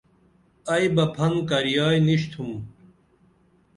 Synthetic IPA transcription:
ɐjbɐpʰɐnkɐɾijaːjniɕt̪ʰum

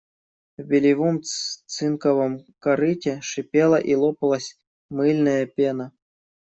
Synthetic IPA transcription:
vbʲɪlʲɪvɔmt͡s̪ɨnkɐvɨmkɐɾɨtʲeʂɨpʲelˠɐʔilˠɔpɐlˠɐsʲ | mɨlʲnɐjɐpʲenɐ

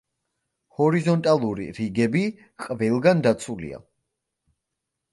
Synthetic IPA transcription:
hɔɾizɔnt̪ʼalˠuɾḭɾiɡɛbi | qʼvɛlˠɡand̪at̪sʰulḭa̰

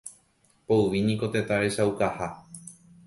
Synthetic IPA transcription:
pouʋinĩko̞t̪e̞t̪aɾe̞ʃaukaha

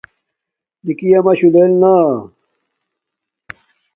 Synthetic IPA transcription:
nikijɐmɐɕulelna

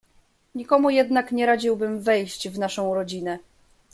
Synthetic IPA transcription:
ɲikɔmujɛd̪nakɲɛɾad͡ʑiwbɘmvɛjɕt͡ɕvnaʂɔ̃w̃ɾɔd͡ʑinɛ

